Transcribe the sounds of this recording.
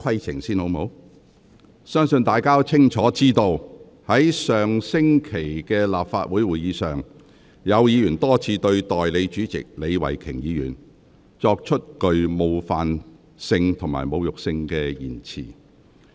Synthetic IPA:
kʰɐ˥jt͡sʰɪ˨˩ŋsiː˥nho˨˧˥wmho˨˥w | sœː˥ŋsɵ˧nt̪aː˨jkaː˥t͡sʰɪ˥ŋt͡ʃʰɔː˨˥t͡siː˥t̪o˧w | hɐ˨˥jsœː˨ŋsɪ˥ŋkʰe˨˩jkɛː˧laː˨p̚faː˧t̚wuː˨˥jwuː˨˩jiː˨˧sœː˨ŋ | jɐ˨˧wjiː˨˧jyː˨˩nt̪ɔː˥t͡sʰiː˧t̪ɵ˧ɥt̪ɔː˨jle˨˧jt͡ʃyː˨˥t͡sɪ̰˨k̚le˨˧jwɐ̰˨˩jkʰɪ˨˩ŋjiː˨˧jy̰ː˨˩n | t͡ʃɔː˧k̚t͡ʃʰɵ˥t̚kɵ˨ɥmo˨˧wfaː˨n | sɪ˧ŋt̪ʰʊ˨˩ŋma̰ː˨jmo˨˧wjʊ˨k̚sɪ˧ŋkɛː˧jiː˨˩nt͡sʰḭː˨˩

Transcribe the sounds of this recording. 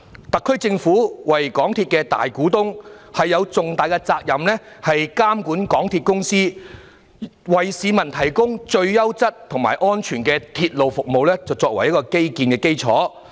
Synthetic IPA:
t̪ɐ˨kʰːɵ˥ɥt͡sɪ˧ŋfuː˨˥wɐ˨˩jkɔː˨˥ŋt̪ʰiː˧t̚kɛː˧t̪a̰ː˨˩jkuː˨˥t̪ʊ˥ŋhɐ˨jːɐ˨˧wt͡sʊ˨ŋt̪aː˨jkɛ˧t͡saː˧k̚jɐ˨˩mlɛ˥hɐ˨jkaː˥mkuː˨˥nkɔː˨˥ŋt̪ʰiː˧t̚kʊ˥ŋsiː˥ | wɐ˨˩jsiː˨˧mɐ˨˩nt̪ʰɐ˨˩jkʊ˥ŋt͡ʃɵ˧ɥjɐ˥wt͡sɐ˥t̚t̪ʰʊ˨˩ŋmaː˨˩jʔɔː˥nt͡ʃʰyː˨˩nkɛ˧t̪ʰiː˧t̚lo˨wfʊ˨k̚mo˨wlɛː˥t͡sɐ˨wt͡sɔː˧k̚wɐ˨˩jɐ˥t̚kɔː˧ke˥jkiː˧nkɛː˧ke˥jt͡sʰɔ̰ː˨˥

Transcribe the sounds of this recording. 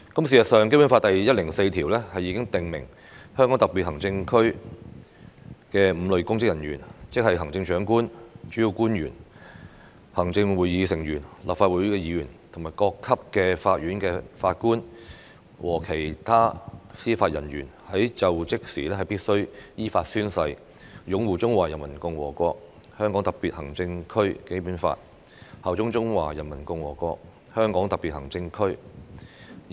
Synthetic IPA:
kɐ˨˥ms̬iː˨˩sɐ˨t̚sœː˨ŋke˥jpu˨˥nfa˧t̪̚ɐ˨jjɐ˥t̚lɪ˨˩ŋse˧jt̪ʰiː˨˩wlɛ˥hɐ˨jːiː˧˥kɪ˥ŋt̪ɪ˨ŋmɪ˨˩ŋ | hœː˥ŋkɔ˨˥t̪ɐ˨k̚pi˨t̚hɐ˨˩ŋt͡sɪ˧ŋkʰɵ˥ɥ | kɛː˧m̩˨˧lɵ˨ɥkʊ˥ŋkɪ˥k̚jɐ˨˩nɥyː˨˩nt͡sɪ˥k̚hɐ˨jɦɐ˨˩ŋt͡sɪ˧ŋt͡ʃœː˨˥ŋkuː˥nt͡ʃyː˨˥ji˧wkuː˥nɥyː˨˩n | hɐ˨˩ŋt͡sɪ˧ŋwu˨˩jiː˨˧sɪ˨˩ŋjyː˨˩nlaː˨pfaː˧t̚wuː˨˥jkɛː˧jiː˨˧jyː˨˩nt̪ʰʊ˨˩ŋmaː˨˩jkɔː˧kʰːɐ˥p̚kɛː˧faː˧t̚ɥyː˨˥nkɛː˧faː˧t̚kuː˥n | wʔɔː˨˩kʰe˨˩jt̪ʰaː˥siː˥faː˧t̚jɐ˨˩nɥyː˨˩nhɐ˨˥jt͡sɐ˨wt͡sɪ˥k̚siː˨˩lɛː˥hɐ˨jpiː˥t̚sɵ˥ɥjiː˥faː˧t̚syː˥nsɐ˧j | jʊ˨˥ŋwuː˨t͡sʊ˥ŋwaː˨˩jɐ˨˩nmɐ˨˩nkʊ˧ŋwɔː˨˩kʷɔː˧k̚ | hœː˥ŋkɔ˨˥ŋt̪ɐ˨k̚piː˨t̚hɐ˨˩ŋt͡sɪ˧ŋkʰɵ˥ɥke˨˥jpuː˨˥nfa̰ː˧t̚ | hɐː˨wt͡sʊ˥ŋt͡sʊ˥ŋwaː˨˩jɐ˨˩nmɐ˨˩nkʊ˧ŋwɔ̰ː˨˩kɔː˧k̚ | hœː˥ŋkɔː˨˥ŋt̪ɐ˨piː˨t̚hɐ˨˩ŋt͡sɪ˧ŋkʰɵ˥ɥ

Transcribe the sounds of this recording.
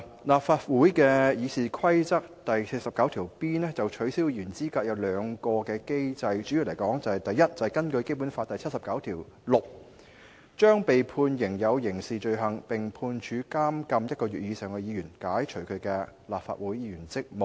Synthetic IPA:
laː˨p̚faː˧t̚wuː˨˥jkɛː˧jiː˨˧siː˨kʰɐ˥jt͡sɐ˥k̚t̪ɐ˨jsʰe˧sɐ˨p̚kɐ˨˥wt̪ʰiː˨˩wpiː˥nɛ˥t͡sɐ˨wt͡ʃʰɵ˨˥ɥsiː˥wjyː˨˩nt͡siː˥kaː˧k̚jɐ˨˧wlœː˨˧ŋkɔː˧kɛː˧ke˥jt͡sɐ˧jt͡ʃy˨˥ji˧wle˨˩jkɔː˨˥ŋt͡sɐ˨hɐ˨˩jt̪ɐ˨˩jːɐ˥t̚t͡sɐ˨hɐ˨jkɐ˥nkɵ˧ɥke˥jp̬u˨˥nfa˧t̚t̪ɐ˨jt͡sʰɐ˥t̚sɐ˨pkɐ˨˥wt̪ʰiː˨˩w | lʊ˨˩k̚ | t͡ʃœː˥ŋpe˨jpʰuː˧njɪ˨˩ŋjɐ˨˧wjɪ˨˩ŋsiː˨t͡ʃɵ˧ɥɦɐ˨˩ŋpɪ˨˩ŋpʰuː˧nt͡ʃʰyː˨˥kaː˥mkɐ˧mjɐ˥t̚kɔː˧ɥyː˨t̚jiː˨˧sœː˨˩ŋkɛː˧jiː˨˧jyː˨˩nkaː˨˥jt͡ʃʰɵ˨˩ɥkʰɵ˨˧ɥkɛː˧laː˨p̚fa̰ː˨t̚wuː˨˥jjiː˧jyː˨˩nt͡sɪ˥k̚mo˨˩

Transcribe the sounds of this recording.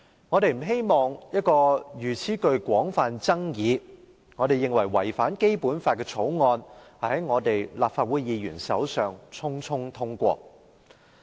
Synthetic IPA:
ŋɔː˨˧t̪e˨˧jm̩˨˩ɦe˥jmɔː˨˩ŋjɐ˥t̚kɔː˧jyː˨˩t͡sʰiː˨˥kɵ˧ɥkwɔː˨˥ŋfaː˧nt͡sɐ˥ŋjiː˨˧ | ŋɔː˨˧ɾe˨jɪ˨ŋwɐ˨˩jwɐ˨˩jfaː˨˥nke˥jpuː˨˥nfaː˧t̚kɛː˧t͡sʰo˨˥wŋɔː˧nhɐ˨˩hɐ˨˦˥jŋɔː˨˧t̪e˨jlaː˨p̚faː˧t̚wuː˨˥jjiː˨˧jyː˨˩nsɐ˨˥wsœː˨˩ŋt͡sʰʊ˥ŋt͡sʰʊ˥ŋt̪ʰʊ˥ŋkʷɔ̰ː˧k̚

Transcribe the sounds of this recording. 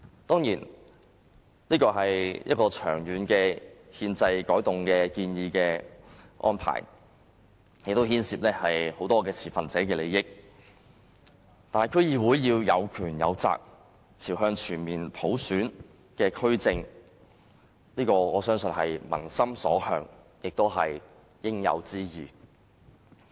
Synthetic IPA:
t̪ɔː˥ŋjiː˨˩n | liː˥kɔː˧ɦɐ˨jjʔɐ̰˥t̚kɔː˧t͡ʃʰœː˨˩ŋjyː˨˧nkɛː˧hiː˧nt͡sɐ˧jkɔː˨˥jt̪ʊ˨ŋkɛː˧kiː˧njiː˧kɛː˧ | ʔɔ̰ː˥npʰa̰ː˨˩j | jɪ˨k̚t̪o˥hiː˥nsiː˧p̚nɛː˥hɐ˨jho˨˥wt̪ɔː˥kɛː˧t͡sʰiː˨˩fɐ˨nt͡sɛː˨˥kɛː˧le˨˧jɪ˥k̚ | t̪aː˨nhkʰɵ˥jiː˨˧wuː˨˥jːiː˧wjɐ˨˧wkʰyː˨˩njɐ̰˨˧wt͡sa̰ː˨k̚ | t͡sʰiː˨˩wɦœː˧ŋt͡ʃʰyː˨˩nmiː˨˩npʰo˨˥wsyː˨˥n | kɛː˧kʰɵ˥ɥt͡sɪ˨˧ŋ | liː˥kɔː˧ɔː˨˧sœː˥ŋsɵ˧nhɐ˨jmɐ̰˨˩nsɐ˥msɔ̰ː˨˥hœː˨˧ŋ | jɪ˨k̚t̪o˥wɦɐ˨j | jɪ˥ŋjɐ̰˨˧wt͡siː˥jiː˨˩

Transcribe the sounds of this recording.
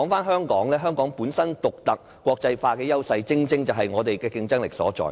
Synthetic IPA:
ɔ˨˥ŋfaː˥nɦœː˥ŋkɔː˨˥ŋlɛː˥ɦœː˥ŋkɔː˨˥ŋpuː˨˥nsɐ˥nt̪ʊ˨k̚t̪ɐ˨k̚ | kʷɔː˧k̚t͡sɐ˧jfaː˧kɛː˧jɐ˥wsɐ˧jt͡sɪ˥ŋt͡sɪ˥ŋt͡sɐ˨wɦɐ˨jŋɔː˨˧t̪e˨jkɛː˧kɪ˧ŋt͡sɐ˥ŋlɪ˨k̚sɔ̰ː˨˥t͡sɔ̰ː˨˩

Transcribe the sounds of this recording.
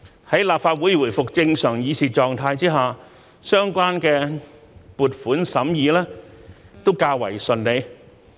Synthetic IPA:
hɐ˨˥jlaː˨p̚faː˧t̚wu˨˥jwuː˨˩fʊ˨k̚t͡sɪ˧ŋsœː˨˩ŋjiː˨˧siː˨˩t͡ʃɔː˨ŋt̪ʰaː˧jt͡siː˥ɦaː˨˩ | sœː˥ŋkʷaː˥nkɛː˧ | puː˨˩t̚fuː˨˥nsɐ˨˥mjiː˨˧lɛː˥ | t̪o˥wkaː˧wɐ̰˨˩jsɵ˨nle˨˧j

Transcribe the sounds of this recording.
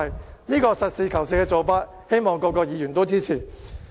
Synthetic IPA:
jniː˥kɔː˧sɐ˨t̚siː˨˧kʰɐ˨˩ws̬ɪ˨˧kːɛː˧t͡so˨˧wpaː˧˥t̚ | he˥jmɔː˨˩ŋkɔː˧kːɔː˧k̚jiː˨˧jɥyː˨˩nt̪o˥wt͡siː˥t͡sʰiː˨˩

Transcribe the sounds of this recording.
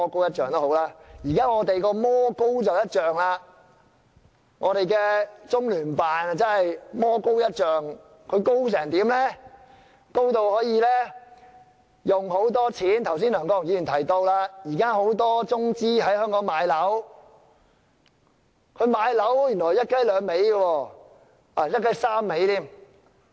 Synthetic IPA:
ɔː˥ko˥wjɐ˥t̚t͡ʃœː˨ŋt̪o˥who˨˥wlaː˧˥jiː˨˩kaː˥ŋɔː˨˧˥t̪e˨jkɔː˧mɔː˥ko˥wt͡sɐ˨wjɐ˥t̚t͡ʃœː˨ŋlaː˧ | ŋʔɔː˨˧ɾe˨jkɛː˧t͡sʊ˥ŋlyː˨˩npaː˨n˨˧t͡sɐ˥nhɐ˨jmɔː˥ko˥wjɐ˥t̚t͡ʃœː˨ŋ | kʰɵ˨˧ɥko˥ws̬ɛː˨˩ŋt̪iː˨˥mlɛː˥ | ko˥wt̪o˨˧whɔː˨˥jiː˧lɛː˥ | jʊ˨ŋɦo˨˥wt̪ɔː˥t͡sʰiː˨˥nt̪ʰws̬iː˥nlœː˨˩ŋkɔː˧˥jŋjiː˨˧˥y˨˩nt̪ʰɐ˨˩jt̪o˧wlaː˧jiː˨˩kaː˥ɦo˨˥wt̪ɔː˥t͡sʊ˥ŋt͡siː˥ɦɐ˨˥jhœː˥ŋkɔː˨˥ŋmaː˨˧jlɐ˨˥w | kʰɵ˨˧ɥmaː˨˧jlɐ˨˥wjy˨˩nlɔː˨˩jɐ˥t̚kɐ˦˥jlœː˨˧ŋme˨˥jɡɐ˧wɔː˧ | aː˨jɐ˥t̚kɐ˥jsaː˥mːe˨˥jt̪iː˥m

